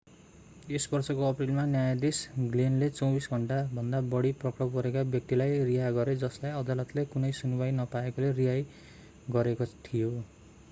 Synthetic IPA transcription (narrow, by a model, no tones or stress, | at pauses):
esbʌrsʌkoʌprilmanjajad̪isɡlenlet͡sʌwbisɡʱʌɳʈabʱʌnd̪abʌɽiprʌkrʌbɡʌɾekabjʌk̚t̪ilajriɦaɡʌɾed͡zʌslajʌd̪alʌt̪lekunʌjsunibajnʌpaekoleriɦaj | ɡʌɾekot̪ʰijo